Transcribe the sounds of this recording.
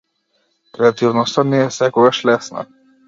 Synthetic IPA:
kɾɛat̪ivnɔst̪anɛɛsɛkɔɡaʃlɛsna̰

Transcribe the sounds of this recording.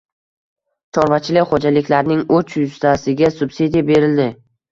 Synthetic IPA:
t͡ʃʰɒɾvat͡ʃʰɪlɪkʲχod͡ʒalɪkʲʰlaɾnɪŋɵt͡ʃʰjʊst̪ʰasɪɡʲasʊbsid̪ijabe̞ɾɪld̪ɪ

